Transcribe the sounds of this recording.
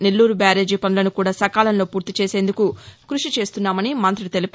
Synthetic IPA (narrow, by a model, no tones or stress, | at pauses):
nelːuːɾubaːɾeːd͡ʒiːpɐnulɐnukuːɽaːsɐkaːlɐnlo̞ːpuːɾt̪it͡ʃe̞ːse̞ːnd̪ukukɾuʂit͡ʃe̞ːst̪unːaːmɐnimɐnt̪ɾuɽt̪e̞lip